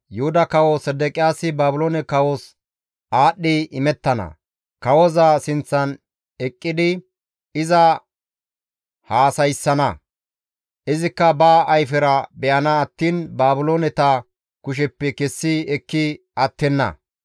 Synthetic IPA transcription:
jʊhʊd̪ɐkɐwosɛd̪ɛkʼɪjaːsɪbaːbʊloːnɛkɐwos | ʔaːɗːɪʔɪmɛt̪ːɐnɐ̰ | kɐwɔzɐsɪnt͡sːɐn | ɛkʼːɪd̪ɪ | ɪzɐ | haːsɐjsːɐnɐ̰ | ʔɪzɪkːɐbaːʔɐjfɛɾɐbɛʔɐnɐːt̪ːiːnbaːbʊloːnɛt̪ɐ | kʊʃ̬ɛpːɛkɛsːɪɛkːɪ | ɐt̪ːɛnːɐ̰

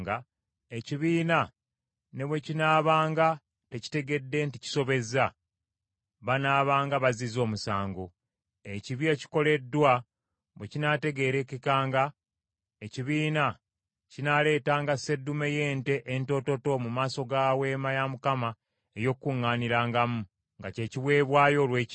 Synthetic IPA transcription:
ɡa | eciβiːna | ne̞βwe̞cinaːβaːŋɡa | te̞ci̥te̞ɡe̞dːe̞ntici̥so̞βe̞za | βanaːβaːŋɡaβazizo̞ːmusaːŋɡo | eciβjeci̥ko̞le̞dːwa | βwecinate̞ɡe̞ːɾe̞kikaːŋɡa | eciβiːna | cinale̞ːtaːŋɡase̞dːume̞je̞ːnte̞ʔento̞to̞to̞mumaːso̞ɡaːwe̞ːmajamukama | ejo̞kːuŋːaːniɾaːŋɡamu | ŋɡace̞ːciβwe̞ːβwaːjo̞ːlwe̞ː

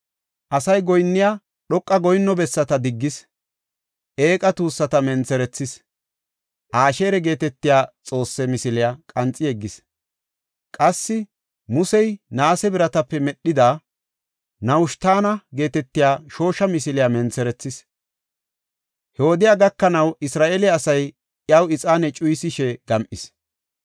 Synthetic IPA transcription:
ʔɐsɐjɡɔjnːɪjaː | ɗɔkʼːɐɡɔjnːɔbɛsːɐt̪ɐd̪ɪɡːɪs | ʔe̞ːkʼɐt̪uːsːɐt̪ɐmɛnt͡sɛɾɛt͡sːɪs | ʔaːʃe̞ːɾɛɡe̞ːt̪ɛt̪ːɪjaːt͡sʼo̞ːsːɛmɪsɪlɪjakʼɐnt͡sʼɪjɛɡːɪs | kʼɐsːɪ | mʊsɛjnaːsɛbɪɾɐt̪ɐpːɛmɛɗːɪd̪aː | nɐwʊʃt̪aːnɐɡe̞ːt̪ɛt̪ːɪjaːʃo̞ːʃɐmɪsɪlɪjamɛnt͡sɛɾɛt͡sːɪs | hɛhɔd̪ɪjaɡɐkːɐnɐwɪsɾaːʔelɪːsɐj | ʔjɐwɪt͡sʼaːnɛt͡ʃʼʊjsɪʃɛɡ̥ɐmʔɪs

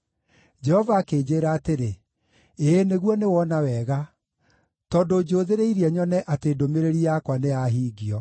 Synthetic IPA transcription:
d͡ʒɛhɔvaːkeːd͡ʑeːɾaːteɾe | eːneɣwɔnewɔnawɛɣa | tɔːndoːd͡ʒoːðeɾeiɾiɛɲɔnɛʔateːdomeɾeɾiakwaneaɦiːɡiɔ

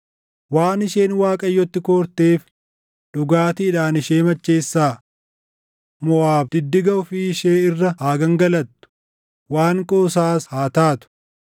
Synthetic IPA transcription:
waːnɪʃeːnwaːkʼɐjːɔt̪ːɪkoːɾt̪eːf | ᶑʊɡaːt̪ɪːᶑaːnɪʃeːmɐt͡ʃːeːsːaː | mɔwaːbd̪̥ɪd̪ːɪɡɐʊfiʃeːɪrːɐaːɡɐŋɡɐlɐt̪ːʊ̥ | waːŋkʼoːsaːshaːt̪aːt̪ʊ̥

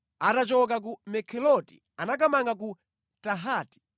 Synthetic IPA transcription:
atat͡ʃɔk̬ak̬umɛkʰɛlɔtḭ | anak̬amaŋɡak̬u | taɦaːti̥

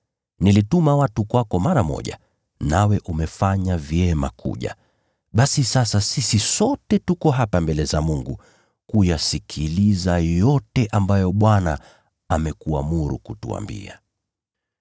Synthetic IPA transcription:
nilitumawatukwakɔmaɾamɔ̰ʄa̰ | nawɛʔumɛfaɲavjɛmakʰṵʄa̰ | ɓasisasasisisɔtɛtukɔɦapambɛlɛzamuŋɡu | kujasikʰilizajɔtɛʔambajɔɓwana̰ | amɛkua̰muɾṵkutṵa̰mbḭa

